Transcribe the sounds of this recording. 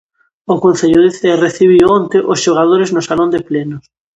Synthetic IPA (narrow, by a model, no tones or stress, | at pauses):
okõnθeʎoðeθereθiβiwont̪eʔosʃoɣ̞að̞oɾeznosalond̪eplenos